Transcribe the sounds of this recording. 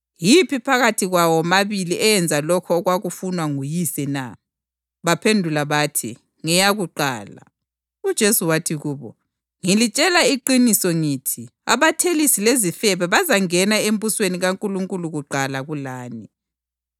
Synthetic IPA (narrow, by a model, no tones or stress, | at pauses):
jipʰipʰaɣatʰiɣwawɔmaβiliʔɛjɛnd͡zʱalɔkʰɔːɣwaɣufunwaŋujisɛna̰ | βapʰendʱulaβatʰḭ | ŋɛjaɣuǃa̰ːla̰ | ud̥ʒ̥ʱesuwatʰiɣuːβɔ | ŋilit͡ʃʼɛlaiǃinisɔŋiːtʰia̰βatʰelisilezifɛβɛβazaŋɛnaem̩busweniɣaŋkʼuluŋkʼuluɣuǃalaɣulaːni